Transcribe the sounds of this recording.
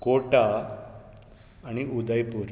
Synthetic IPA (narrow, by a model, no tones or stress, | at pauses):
koʈa | ñiʔud̪əjpuːɾ